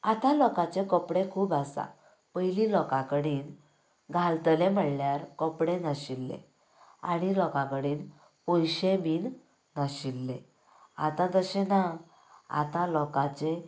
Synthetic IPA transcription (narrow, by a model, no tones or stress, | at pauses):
at̪ãlɔkat͡sekəpɽekʰuːbasa̰ | pəjlilɔkãkəɽiːn | ɡʱalt̪əlem̤əɽljaɾkəpɽenəɕilːḛ | a̰ɽ̃ilɔkãkəɽiːn | pojɕẽbiːn | nəɕilːḛ | a̰t̪ãt̪əɕena | a̰t̪ãlɔkãt͡se